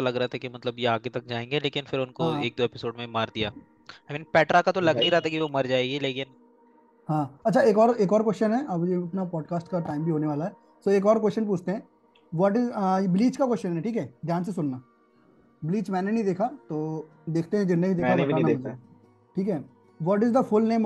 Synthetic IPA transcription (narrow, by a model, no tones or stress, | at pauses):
alɐɡɾɐɦat̪ʰɛkimɐt̪ləbjeaːɡet̪ɐk̚d͡ʒaːẽːŋɡeleːkɪnfɪɾʊnkoeːk̚d̪oɛpɪsoːɖmẽmaːɾd̪ijaː | amiːnpɛːʈɾakat̪olɐɡiɾɐɦat̪ʰɛkiʋomɐɾd͡ʒaːeːɡileːkɪn | ɦãːɐtːʃʰaeːkɔːɾeːkɔːɾk̬wɛsənɦɛʔɐbjeɐpnapɔːɖkaːsʈkaʈaːɪmbʱiɦoːneʋaːlaɦɛː | soeːk̬ɔːɾkwɛst͡ʃənp̬uːt͡ʃʰt̪eɦɛ̃ː | ʋɔːʈ̬ɪzbɪliːt͡ʃkakwɛsʈt͡ʃənɦɛʈʰiːkɦɛd̪jãːns̬esʊnːaː | bɪliːt͡ʃmɛːnenɐɦĩd̪eːkʰat̪oː | d̪eːkʰt̪eɦɛ̃d͡ʒɪnːebʱid̪eːkaɐanata | ʈʰiːkɦɛ | ʋɔːʈ̬ɪzd̪əfʊlneːm